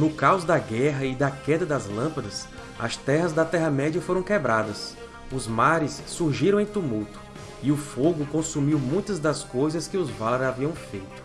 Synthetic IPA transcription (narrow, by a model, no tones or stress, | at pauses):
nʊkawzd̪ɐɡɛɦɐɪd̪ɐkɛd̪ɐd̪ɐzlɐ̃pɐd̪ɐs | ɐ̰st̪ɛɦɐzd̪ɐt̪ɛɦɐmɛd͡ʒiɐfoɾɐ̃w̃kebɾad̪ɐs | ʊzmaɾɪsːuɾʒiɾɐ̃w̃ẽj̃t̪umuwt̪ʊ̥ | ɪʊfoɡʊkõsumiwmũj̃t̪ɐzd̪ɐskojzɐskɪʊzvaleɾaviɐ̃w̃fejt̪ʊ̥